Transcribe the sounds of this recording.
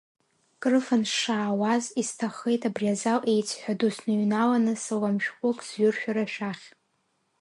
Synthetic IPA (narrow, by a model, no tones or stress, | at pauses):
kʼrɨfanʂaːwazistʰaχe̞jtʰʼabriazalʔe̞jt͡sʰħʷᶣadusnɨɥnalanɨsɨlamʃᶣkʷʼʊkʼzɥʊrʃᶣaɾaʃᶣaχʲ